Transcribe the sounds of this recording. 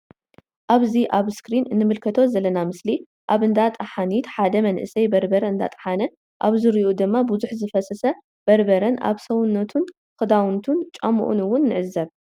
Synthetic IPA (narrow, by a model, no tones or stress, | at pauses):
ʔaβziʔaβskɾinɨnːɨmɨlkʰɐt̪ʰo̞zɐlːɐnamɨsli | ʔaβɨnd̪at̪ʼaħanit̪ħad̪ɐmɐnʔɨsɐjbɐɾbɐɾɐɨnd̪a̰t̪ʼɐ̥ħanɐ | ʔaβzɨɾiʔud̪ɨmːabuzuħzɨfɐsɐsɐ | b̥ɐɾbɐɾɐna̰βsɐwʊnːɐt̪ʰun | kɨd̪awnt̪ʰunt͡ʃʼɐmṵʔṵnɨwːʊnːɨʕɨzːɐβ